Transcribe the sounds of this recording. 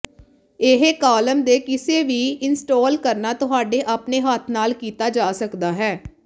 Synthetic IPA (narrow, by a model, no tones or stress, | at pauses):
ɪɦekaːləmd̪eːkɪseːʋiːɪnsʈoːlkəɾnaːt̪ʊɦaːɖeːʔaːpneːɦaːt̪ʰnaːlkiːt̪aːd͡ʒaːsəkd̪aːɦɛː